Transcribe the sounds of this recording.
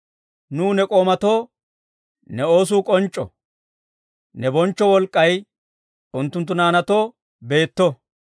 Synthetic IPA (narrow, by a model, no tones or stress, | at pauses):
nuːnɛkʼo̞ːmɐt̪o̞ː | nɛo̞ːs̬uːkʼɔnt͡ʃʼːɔ̰ | nɛbɔnt͡ʃːɔwɔlkʼːɐj | ʊnt̪ːʊnt̪̬ːʊnaːnɐt̪o̞ː | be̞ːt̪ːɔ